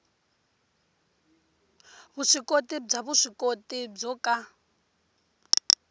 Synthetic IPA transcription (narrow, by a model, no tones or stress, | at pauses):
βuʂikʼotʼib͡ʐaβuʂikotʼib͡ʐɔkʼa